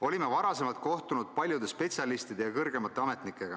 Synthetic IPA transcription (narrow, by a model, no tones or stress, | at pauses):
o̞lʲime̞vɑɾɑse̞mɑlt̪̚ko̞ht̪unud̪̥̚pɑlʲjud̪̥e̞spe̞t̪sʲjɑlist̪id̪e̞jɑkɤrɡ̥e̞mɑt̪ːˑe̞ɑme̞t̪nikːˑe̞ɡ̥ɑ